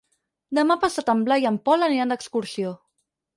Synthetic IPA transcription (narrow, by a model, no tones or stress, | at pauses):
d̪əmapasat̪əmblajəmpɔləniand̪əkskuɾsio